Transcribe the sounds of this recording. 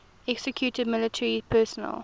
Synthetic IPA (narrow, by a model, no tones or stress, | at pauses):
ɛksəkʰjuːtəd̚mɪlɪtʰəɹipʰɜːsɔnə̰l